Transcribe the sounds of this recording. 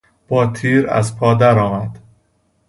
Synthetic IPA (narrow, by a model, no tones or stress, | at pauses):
b̥ɒːt̪ʰiːɾæ̰zpʰɒːd̪æɾɒːmæd̪̥